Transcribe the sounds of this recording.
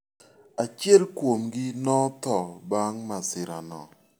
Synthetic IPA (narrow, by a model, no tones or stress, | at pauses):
at͡ʃjɛlkwomɡɪnɔt̪ɔbaŋmasɪɾa̰nɔ̰